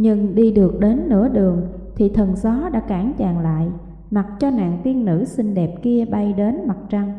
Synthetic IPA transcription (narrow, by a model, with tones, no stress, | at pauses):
ɲɨ˧ŋɗi˧ɗɨ˨˩ək̚ɗe˨˦nːɨ̰˧˥əɗɨ˨˩əŋ | t̪ʰi˨˩t̪ʰə˨˩nzɔ˨˦ɗa̰ː˧˥kaː˧˩ŋt͡ɕaː˧˨ŋla̰ː˧˨j | ma˨˩t̚t͡ɕɔ˧na̰ː˧˨ŋt̪i˧ənːɨ̰˧˥si˧ŋɗɛ˨˩p̚ki˧əɓa˧jɗe˨˦nma˨˩t̚t͡ɕa˧ŋ